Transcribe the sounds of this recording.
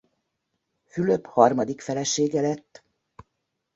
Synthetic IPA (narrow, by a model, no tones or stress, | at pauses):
fylø̞phɒrmɒd̪ikfɛlɛʃeːɡɛlɛt̪ː